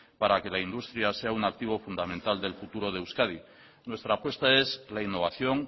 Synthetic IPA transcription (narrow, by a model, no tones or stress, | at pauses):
paɾake̞laind̪ust̪ɾjase̞aunak̚t̪iβ̞o̞fund̪amẽ̞nt̪ald̪e̞lfut̪uɾo̞ð̞ewskað̞i | nwe̞st̪ɾaːpwe̞st̪ae̞zlainːo̞β̞aθjo̞ŋ